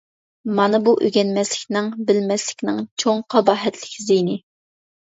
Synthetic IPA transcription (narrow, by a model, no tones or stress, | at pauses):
mɑnɨbuʔøɡʲɛnmɛslɪkʲnɪŋbɪlmɛslɪkʲnɪŋt͡ʃʰoŋqʰɑbɑːɦɛt̪ʰlɪkʲʰzijnɪ